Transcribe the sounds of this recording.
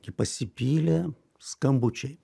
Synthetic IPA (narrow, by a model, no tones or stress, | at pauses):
ɡʲɪpɐsʲɪpʲiːlʲɛ | skɐmbʊt͡ʃʲɛɪ